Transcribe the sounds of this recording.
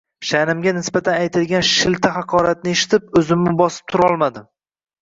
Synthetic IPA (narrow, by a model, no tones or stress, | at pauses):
ʃanɪmɡʲanɪsbat̪ʰanajt̪ɪlɡʲanʃɪlt̪ʰaɦaqʰɒɾat̪̚nɪeʃɪ̥t̪ʰɪp̚ɵzɪmːɪbɒsɪ̥p̚t̪ʰʊɾɒlˠmad̪ɪ